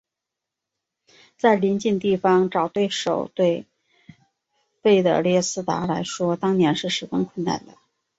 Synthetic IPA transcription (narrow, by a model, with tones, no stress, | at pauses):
t͡sa˥˩ɪli˧˥nt͡ɕi˥˧nt̪i˥˩fɑ˥ŋʈ͡ʂɑ˨˩ʊt̪we˥˩ɪʂo˨˩ʊt̪we˥˧ɪ | pe˥˩ɪt̪ə̰˨˩ljɛ˥˩sɹ̩˥t̪a̰˧˥la˧˥ɪʂwɔ˥t̪ɑ˥ŋnjɛ˧˥nʂɻ̩˥˩ʂɻ̩˨˩fə˧˥nkʰwə˥˩nna̰˥˩nd̪ə˩